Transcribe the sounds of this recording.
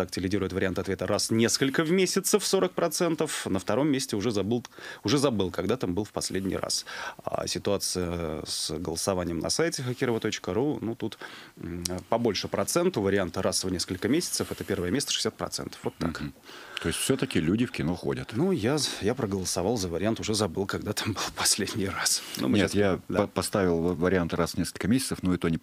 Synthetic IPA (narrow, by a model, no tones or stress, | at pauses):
t̪ak̚tʲɪlʲɪdʲiɾʊjɪt̪vəɾʲɪant̪ɨɐt̪vʲet̪əɾasnʲe̞skəlʲkəvmʲesʲɪt̪səfso̞ɾək̚pɾɐt̪sɛnt̪əfnəft̪ɐɾo̞mːʲesʲtʲɪʊʐɛzɐbɨlˠʊʐɛzɐbɨlˠkɐɡd̪at̪ambɨlˠfpɐsʲlʲedʲnʲɪ̰jra̰sa̰sʲɪt̪ʊat̪sɨjəsɡə̰lˠəsɐvanʲɪjəmnʔɐ̰sajtʲɪxəkʲɪɾəvət̪o̞t͡ɕkəɾunut̪ut̪ | pɐbo̞lʲʂɨpɾɐt̪sɛnt̪əvəɾʲɪant̪əɾʔasvnʲeskəlʲkəmʲesʲɪ̥t̪səfɛt̪əpʲe̞rvəjəmʲesʲt̪əʂɨ̥sʲat̪̚pɾɐ̰t̪sɛ̰nt̪ə̥fvo̞t̪ːa̰kt̪ojɪsʲt̪ʲfsʲot̪əkʲɪlʲudʲɪfkʲɪnoxo̰dʲət̪nujajapɾəɡəlˠəsɐvɑlˠzəvəɾʲɪant̪ʊʐɛzɐbɨlˠkɐɡd̪at̪ʰambɨlˠfpɐsʲlʲedʲnʲɪjrasnṵmɨest̪jad̪apɐst̪avʲɪlˠvəɾʲɪant̪ɾasnʲeskəlʲkəmʲesʲɪ̥tsəfnoit̪onʲɪ